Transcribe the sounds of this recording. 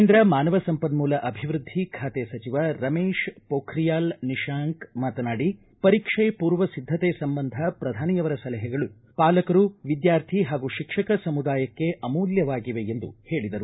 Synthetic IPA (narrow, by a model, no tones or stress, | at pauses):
nd̪ɾɐmaːnɐʋɐsɐmpɐd̪muːlɐʔɐbʱiʋɾud̪ʱːikʰaːt̪esɐt͡ʃiʋɐɾɐmeːʃpoːkʰɾijaːlniʃaːŋkmaːt̪ɐnaːɽi | pɐɾikʂejpuːɾʋɐsid̪ʱːɐt̪esɐmbɐnd̪ʱɐpɾɐd̪ʱaːnijɐʋɐɾɐsɐlɐɦɐɡɐɭu | paːlɐkɐɾuʋid̪jaːɾt̪ʰiɦaːɡuʃikʂɐkɐsɐmud̪aːjɐkːe̞ʔɐmuːljɐʋaːɡiʋe̞end̪ṵhe̞ːɭid̪ɐɾu